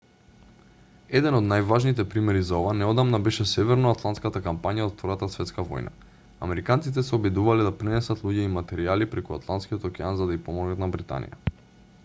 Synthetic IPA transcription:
ɛd̪ɛnod̪najvaʒnit̪ɛpɾimɛɾizaovanɛod̪amnabɛʃɛsɛvɛɾnoat̪lˠant̪skat̪akampaɲaot̪ft̪vɔjat̪asvɛt̪skavɔ̰jna̰ | a̰mɛɾikant̪sit̪̬ɛsɛobɛd̪uvalɛd̪apɾɛnɛsat̪lˠuɟɛimat̪ɛɾialipɾɛkua̰t̪lˠant̪skiot̪okɛanzad̪aipɔmɔɡnat̪nabɾit̪a̰nḭja̰

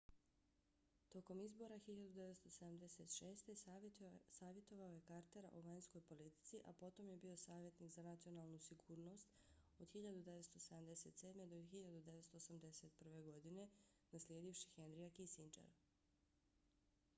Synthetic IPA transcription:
t̪o̞ko̞mizbo̞ɾaxiʎad̪ud̪eʋet̪st̪o̞sed̪amd̪ese̞t̪ʃe̞ːst̪e̞ | saːʋje̞t̪o̞ʋaoje̞kaɾt̪e̞ɾʔoʋaɲsko̞jpo̞lit̪i̥t̪siʔa̰po̞t̪o̞mje̞bio̞saːʋje̞t̪niːkzanat̪sio̞naːlˠnusiɡuːɾno̞st̪ | od̪xiʎad̪ud̪e̞ʋet̪st̪o̞sed̪amd̪eset̪se̞d̪me̞d̪oxiʎad̪ud̪eʋe̞t̪st̪oosamd̪e̞se̞t̪̚pr̩ʋe̞ɡo̞d̪ine̞ | naslʲjeːd̪ifʃi̥xend̪ɾijakisint͡ʃḛɾ

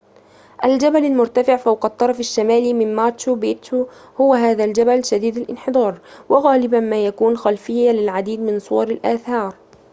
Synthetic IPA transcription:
ʔald͡ʒabalalmʊɾt̪afɪʕfawqɑt̪ˤːɑɾˤɑfaʃːamaːliːmɪnmaːt͡ʃubeːt̪uhʊwaɦaːðald͡ʒabalʃad̪iːd̪alʔɪ̰nħɪd̪ˤɑːɾˤwɪɣaːlɪbanmaːjakuːnxalfɪjːalɪlʕad̪iːd̪mɪnsˤʊwɑɾˤalʔaːθɑːɾˤ

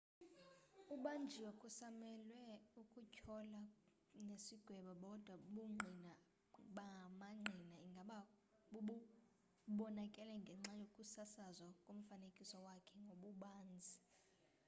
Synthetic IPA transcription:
uɓand͡ʒʱiwɛkʼusamɛlwɛukʼucʰɔla | nesiɡ̥ʱwɛɓaɓɔd̥ʱwaɓuŋ͡ǃʱina | ɓamaŋ͡ǃʱinaŋɡʱaɓa | ɓuɓu | ɓɔnakʼɛlɛŋɡʱɛŋ͡ǁajokʼusasazwakʼom̩fanekʼisɔwakʰɛŋɡʱoɓuɓaːnd͡zʱi

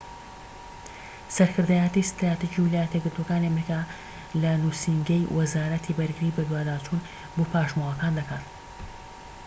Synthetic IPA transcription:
sɐɾkʰɨɾd̪aːjat̪ist̪ɾaːt̪id͡ʒiːwɪlaːjɐt̪jeɡɨɾt̪wokaːniɐmɾikaː | lɐnuːsiŋɡɐjwʔɐzaːɾɐt̪ʰibɐɾɡɨɾiːbɐd̪waːd̪aːt͡ʃuːn | boːpʰaːʃmowɐkaːnd̪ɐkaːt̪

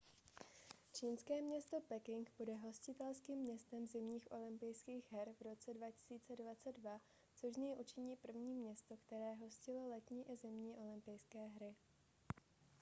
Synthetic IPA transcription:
t͡ʃiːnskɛːmɲɛst̪o̞pɛkɪŋkbudɛɦo̞scɪt̪ɛlskiːmːɲɛst̪ɛmzɪmɲiːxʔo̞lɪmpɪjskiːxɦɛɾvɾo̞t͡sɛdvacɪ̥siːt͡sɛdvat͡sɛddva | t͡so̞ʒzɲɛjʔut͡ʃɪɲiːpr̩vɲiːmɲɛst̪o̞kt̪ɛɾɛːɦo̞scɪlolɛt̪ɲiːʔɪzɛmɲiːʔo̞lɪmpɪjskɛːɦɾɪ

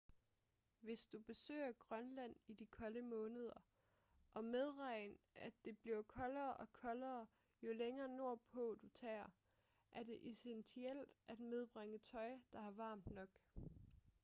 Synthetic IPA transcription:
ʋe̝sd̥ub̥e̝sø̰ːɐɡ̥ʁɶnlæn̰id̥ikʰɒ̽ləmɔ̽ːnəð̞ˠɐ | ʔɒ̽með̞ˠʁɑ̈ɪ̰nʔæd̥e̝b̥liɐkʰɒ̽lɐːʔɒ̽kʰɒ̽lɐː | jo̝leŋɐːno̝ɐ̰pʰɔ̰ːd̥ut͡sʰɛ̰ːɐ | ʔæɐd̥e̝ʔesensʰiel̰d̥ʔæd̥með̞ˠb̥ʁeŋət͡sʰɒ̽ɪd̥ɑ̈hɑ̈ʋɑ̰̈ːmd̥nɒ̽ɡ̥

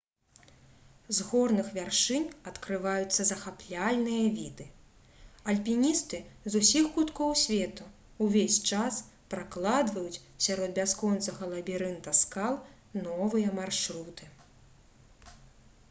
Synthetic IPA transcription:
zɣɔrnɨxvʲarʂɨnʲɐt̪kɾɨvajut̪sːɐzɐxaplʲalʲnɨjɐvʲid̪ɨ | ɐlʲpʲinʲist̪ɨzusʲixːut̪kɔwsʲvʲɛt̪u | wvʲesʲt͡ʂas | pɾaklˠad̪vɐjut͡sʲsʲaɾɔd̪̚bʲaskɔnt̪sɐɣɐlˠɐbʲiɾɨnt̪ɐskalˠ | nɔvɨjɐmarʂɾut̪ɨ

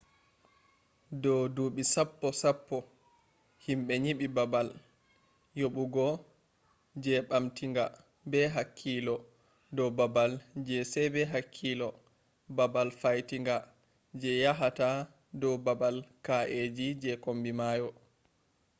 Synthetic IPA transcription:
dɔwduːɓisapːɔsapːɔ | himɓɛɲiɓibabal | joɓuɡɔ | d͡ʒɛɓamtiŋɡa | bɛɦakʰːilɔ | dɔbabald͡ʒɛsɛbɛɦakʰːilɔ | babalfajtiŋɡa | d͡ʒɛjaɦata | dɔbabalkaʔed͡ʒid͡ʒɛkombimaːjɔ

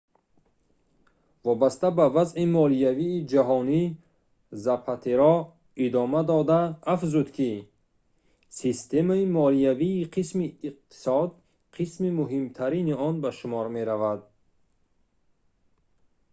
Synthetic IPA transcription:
vɔbast̪abavazimɔliaviːd͡ʒaɦɔni | zapʰat̪ʰeɾɔ | id̪ɔmad̪ɔd̪aːfzud̪kʰi | sist̪e̞maimɔliaviːqʰismiːq̚t̪ʰi̥sɔd̪ | qʰismimuɦimt̪ʰaɾiniɔnbaʃumɔɾme̞ɾavad̪̚

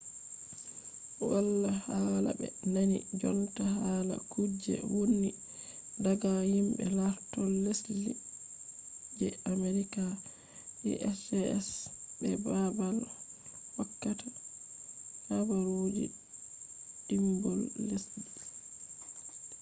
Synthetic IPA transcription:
walːahala̰bɛ̰nanid͡ʒɔntahaːla̰kʰud͡ʒːɛ̰wonːi | daɡahimbɛ̰laɾtɔlːesli | d͡ʒɛameɾika | ḭʔɛsɛɛsbɛbabal | wakːata | habaɾod͡ʒḭ | dimbɔlːesli

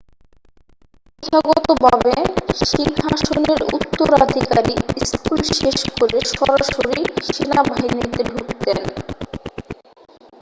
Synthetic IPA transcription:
ekaɡɔt̪obʱabeʃiŋɦaʃoneɾṵt̪ːoɾad̪ʱikaɾiskulʃeʃkoɾeʃɔɾaʃoɾiʃinabʱaɦinit̪eɖʱukt̪en

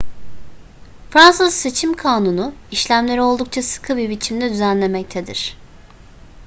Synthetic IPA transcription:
fɾansɯzse̞t͡ʃʰimkʰaːnunʊiʃlʲæmlʲe̞ɾio̞lˠd̪uk̚t͡ʃʰasɯ̥kʰɯbibit͡ʃʰimd̪ɛd̪yzænlʲe̞mɛc̚t̪ʰed̪ḭɾ̝̥

